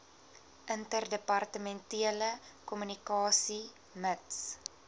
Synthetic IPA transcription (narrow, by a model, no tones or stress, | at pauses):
ʔəntərdəpɐrtəmɛntiələkɔmynikɑːsi | məts